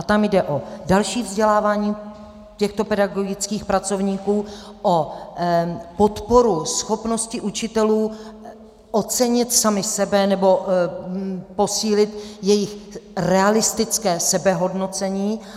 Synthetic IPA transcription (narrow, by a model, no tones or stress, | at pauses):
at̪amjdɛʔo̞dalʃiːvzɟɛlaːvaːɲiː | cɛxt̪o̞pɛdaɡo̞ɡɪt͡skiːxpɾat͡so̞vɲiːkuː | ʔo | po̞t̪po̞ɾusxo̞pno̞scɪʔut͡ʃɪt̪ɛluː | ʔot͡sɛɲɪt̪samɪsɛbɛnɛbo̞ | po̞siːlɪt̪jɛjɪxrɛalɪst̪ɪt͡skɛːsɛbɛɦo̞dno̞t͡sɛɲiː